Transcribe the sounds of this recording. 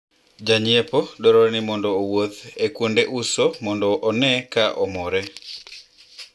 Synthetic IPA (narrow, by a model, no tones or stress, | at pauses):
d͡ʒaɲiepodɔɾɔnɪmɔndɔːwot̪ekwondeʔusomɔndɔʔːnɛkaʔɔmɔɾɛ